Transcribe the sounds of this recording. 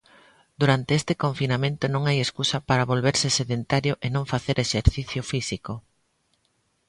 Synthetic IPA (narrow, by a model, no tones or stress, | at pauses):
d̪̥uɾant̪eest̪ekõɱfinamẽnt̪ʊnõŋajeskusɐpaɾɐβolβeɾsɪseðent̪aɾjʊʔenõŋfaθeɾʔeʃeɾθiθjʊfisiko